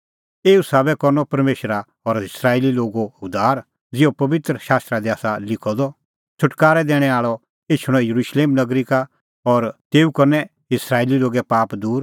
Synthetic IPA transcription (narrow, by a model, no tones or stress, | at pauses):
eːusaːbɛkɔɾnɔpɐɾmeːʃɾa | ɔɾɪsɾaːeːliloːɡoʊd̪aːɾ | d͡zɪopɐʋɪt̪ɾəʃaːst̪ɾad̪iaːsalɪkʰɔd̪ɔ | t͡sʰʊʈkaːɾɛd̪ɛːɽ̃ɛ̃aːɭɔ | eːt͡ʃʰʊɽ̃ɔjɐɾuːʃleːmnɐɡɾika | ɔɾt̪eːukɐɾnɛ | ɪsɾaːeliloːɡɛpaːpd̪uːɾ